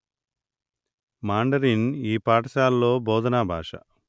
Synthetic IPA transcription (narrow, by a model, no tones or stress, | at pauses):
maːɳɖɐɾiniːpaːʈɐʃaːlːo̞ːbɔːd̪ɐnaːbʱa̰ːʂɐ̰